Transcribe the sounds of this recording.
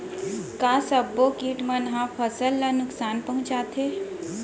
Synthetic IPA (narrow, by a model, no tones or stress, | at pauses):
kaːsəbːokiːʈmənɦãpʰəsəlːanʊksaːnpɐɦʊ̃t͡ʃaːt̪ʰeː